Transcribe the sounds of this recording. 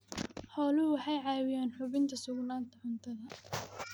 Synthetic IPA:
ħɔːlʊwɑħɑjʕɑːwɪjaːnħʊβɪnt̪ʰɐsʊɡnaːnt̪ʰɐħʊnt̪ʰɐðɐ

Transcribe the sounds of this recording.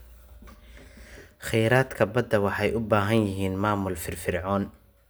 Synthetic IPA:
χɛjɾaːd̪kʰɐbɐd̪ːɐwɑħɑjʔʊbaːɦɐnjɪɦiːnmaːmʊlfɪrfɪrʕɔːn

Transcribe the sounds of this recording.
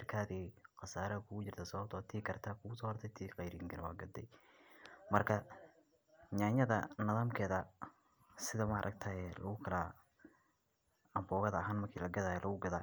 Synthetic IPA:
rkʰaːðɛːqɑsaːɾɐkʰʊɣʊt͡ʃɪrt̪ʰɐsɐβɐb̚t̪ʰɔːt̪ʰiːkɐrt̪ʰɐkʰʊɣʊsɔːhɔrt̪ʰɛjt̪ʰiːqɑjɾiŋkʰɐɾɛwɑ̰ːɡɐd̪ɛ̰j | mɐrkʰɐ | ɲaːɲɐðɐnɐðaːmkʰɛːðɐ | sɪðɐmɐ̰ːɾʔɐ̰ɡ̚t̪ʰaːɛːlʔɐ̰ɣʊkʰɐla | ɐmbɔːɣɐðɐɦaːnmɐrkʰiːlɐɡɐðaːjɛlʔɐɣʊɡɐðaː

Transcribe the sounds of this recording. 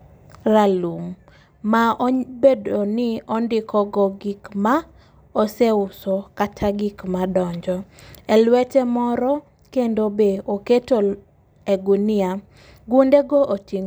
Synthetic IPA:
ɾalum | maɔbedonɪɔndɪkʰɔɡɔɡikma | ɔseʊsɔkatʰaɡikmadɔɲd͡ʒɔɛlwɛtɛmɔɾɔ | kendobeoketo | eɡunɪa | ɡundeɡoʔotiŋ

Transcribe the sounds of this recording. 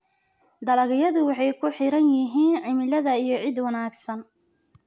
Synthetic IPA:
d̪ɐlɐɣɪjɐðʊwɑħɑjkʰʊħɪɾɐnjɪɦiːnʕɪmɪlɐðɐijɞʕɪd̪wɑnaːɡsɐn

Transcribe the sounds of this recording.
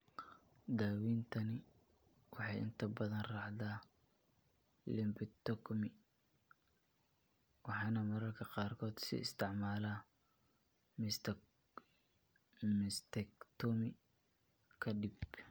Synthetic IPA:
d̪aːwiːnt̪ʰɐnɪ | wɑħɑjɪ̰nt̪ʰɐbɐðɐnrɑʕðaː | lɪmbɪt̪ɔkmɪ | wɑħɑːnɐmɐɾɐrkʰɐqɑːrkʰɔːd̪sɪ̰ɪst̪ʰɪʕmaːlaː | mɪst̪ɛkt̪ʰɔmɪ | kʰɐɖɪb

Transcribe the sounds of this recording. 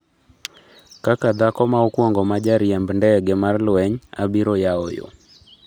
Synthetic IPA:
kakad̪akɔmaokwɔŋɡɔmad͡ʒaɾjɛmbndɛɡemarlwɛɲa̰biɾojaojo̰

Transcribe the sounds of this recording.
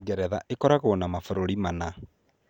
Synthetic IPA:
ɣɛɾɛðaʔekɔɾaɣonamafoɾoɾimana

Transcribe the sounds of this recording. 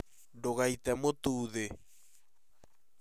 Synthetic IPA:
ndoɣait̪ɛmot̪uːðe

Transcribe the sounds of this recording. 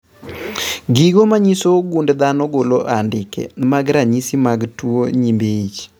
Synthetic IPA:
ɡiɡomaɲisoɡundd̪anɔɡoloʔandɪkɛ̰maɡɾaɲisimaɡtwoɲimbeit͡ʃ

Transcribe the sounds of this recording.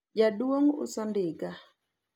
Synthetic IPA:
d͡ʒadwoŋʊ̰sɔndɪɡa

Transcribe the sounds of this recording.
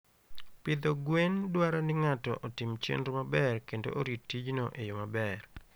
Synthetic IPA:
pɪd̪ɔɡwendwaɾanɪŋatɔ̰ʔɔtɪmt͡ʃḛndɾmabɛrkendo̰ʔoɾitːid͡ʒnoʔejomabɛr

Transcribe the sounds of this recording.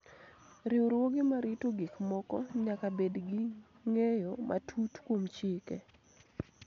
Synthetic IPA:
ɾɪwɾwoɡɪmaɾɪtoɡikmɔkɔɲakabedɡɪ | ŋejomʔa̰tʰutkwomt͡ʃɪkɛ̰

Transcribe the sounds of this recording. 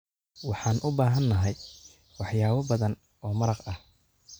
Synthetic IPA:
wɑħɑːnʔʊbaːɦɐnːɐɦɛj | wɑħjaːβɐbɐðɐn | ɔːmɐɾɑqɐh

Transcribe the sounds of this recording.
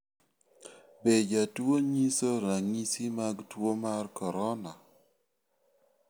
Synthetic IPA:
bed͡ʒatwoɲisoɾaŋisimaɡtwomarkɔɾɔna

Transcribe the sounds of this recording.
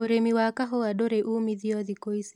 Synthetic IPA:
oɾemiwakaɦɔwaɗoɾeʔumiðiɔðikois

